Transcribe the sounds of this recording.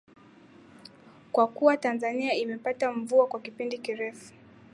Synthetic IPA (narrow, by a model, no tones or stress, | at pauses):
kwakuwatanzaniaimɛpataɱ̩vuakwakipindikiɾɛfu̥